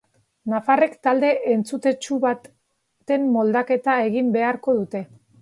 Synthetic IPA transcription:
nafare̞kt̪ald̪e̞ʔent͡sut̪e̞t͡ʃuβat̪ | t̪e̞mːo̞ld̪ake̞t̪ae̞ɣimbe̞aɾko̞ð̞ut̪e̞

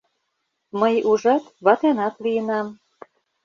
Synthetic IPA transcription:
məjuʒɑt̪βɑt̪enɑt̪liənɑm

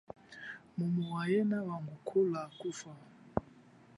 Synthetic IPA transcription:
mumuwajɛnawaŋɡukʰulakufa

